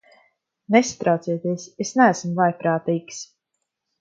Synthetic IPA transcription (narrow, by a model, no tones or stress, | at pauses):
nest̪ɾawt̪siɛt̪iɛsesnææsmvˠajpɾaːt̪iːks